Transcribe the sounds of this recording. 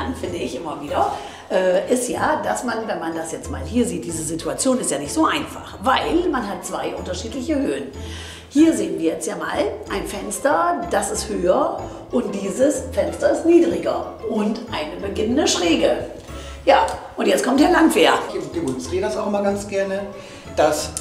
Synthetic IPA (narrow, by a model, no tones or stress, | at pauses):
anfɪndəɪçʔɪmɐviːdɐ | ʔɛːʔɪstjaːd̥asmanvɛnmandasjɛt͡stma̰ːlhiːɐziːt̚d̥iːzəzitʰuat͡sjoːnɪstjaːnɪçtz̥oːʔaɪnfa̰χvaɪlmanɦat̚t͡sv̥aɪʔʊntɐʃiːtlɪçəhøːən | hiːɐzeːənviːɐjɛt͡stjaːma̰ːlʔaɪnfɛnstɐd̥asɪsthøːɐ | ʔʊnt̚d̥iːzəsfɛnstɐɪstniːdʁɪɡɐ̰ | ʔʊntʔaɪnəbəɡɪnəndəʃʁ̥eːɡə | jaːʔʊntjɛt͡stkʰɔmtd̥eːɐlantv̥eːɐd̥ɪmʊnsɡ̥eːdasaʊxʔɪmɐɡant͡sɡ̥ɛɐnə | d̥as